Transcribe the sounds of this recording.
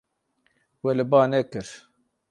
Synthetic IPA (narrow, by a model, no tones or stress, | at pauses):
welɨbɑːnekɨɾ